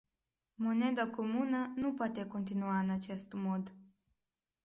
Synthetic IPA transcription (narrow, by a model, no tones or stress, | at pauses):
mo̞ne̞d̪akomunənupoat̪e̞ko̞nt̪inuaɨnat͡ʃe̞st̪mod̪